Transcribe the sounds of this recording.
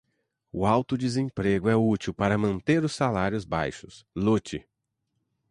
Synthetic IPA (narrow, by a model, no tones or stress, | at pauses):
ʊawt̪ʊd͡ʒizẽpɾeɡʊɛut͡ʃiwpaɾɐmɐ̃nt̪eɾʊsːalaɾjʊzba̰jʃʊ̥slut͡ʃɪ